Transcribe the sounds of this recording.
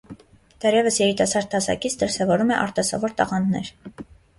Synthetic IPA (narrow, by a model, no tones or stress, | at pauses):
d̪̥ɛrjɛvəsjɛɾit̪ɑsɑɾd̪̚ʰɑsɑ̰kit͡sʰd̪əɾsɛvɔɾumɛʔɑɾt̪ɑsɑ̰vɔɾt̪ɑ̰ʁɑnnɛ̰ɾ